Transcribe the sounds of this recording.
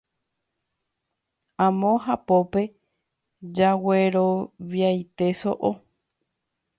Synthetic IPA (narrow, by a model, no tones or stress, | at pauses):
ãmõɦapo̞pe̞ | d͡ʒaweɾo̞ʋjajt̪e̞so̞̰ʔo